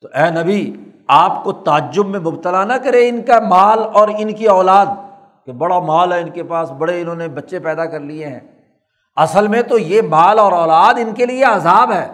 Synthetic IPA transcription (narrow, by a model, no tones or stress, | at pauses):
t̪oʔɛːnɐbi | aːpkot̪aəd͡ʒːʊbmẽmʊbt̪əlanɐkɐɾeɪnkamaːlɔːɾɪnkiɔːlaːd̪̚ | kebɐɽamaːlɦɛɪnkepaːsbɐɽeɪnɦõːnebɐtːʃepɛːd̪akɐɾlieɦɛ̰̃ː | ɐsəlmẽt̪ojemaːlɔːɾɔːlaːd̪ɪnkelieɐzaːbɦɛː